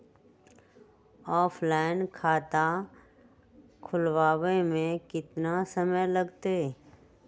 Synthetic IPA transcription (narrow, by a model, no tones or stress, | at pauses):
ɔːpʰlaːɪnkʰaːt̪a | kʰʊlwaːwemẽkɪt̪nasəməjləɡt̪e